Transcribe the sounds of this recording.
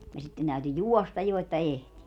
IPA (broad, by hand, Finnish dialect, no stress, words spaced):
jɑ sitːen tæyty juɔstɑj jo etːæ ehti